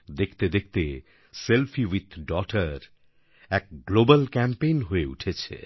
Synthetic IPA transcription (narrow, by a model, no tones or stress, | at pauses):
d̪ekʰt̪ed̪ek̚ʰt̪e | selfʰiwit̪ʰɖɔʈʰaɾ | ɛk̚ɡlobalkɛmpejnɦoeṵʈʰet͡ɕʰḛ